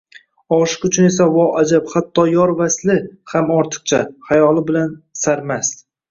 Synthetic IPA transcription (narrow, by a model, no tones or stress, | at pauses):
ɒʃɪ̥qʊt͡ʃʰʊne̞savɒad͡ʒaphat̪ʰːɒjɒɾvaslɪhamɒɾt̪ʰɨ̥q̚t͡ʃʰahajɒlˠɪbɪlansaɾmast̪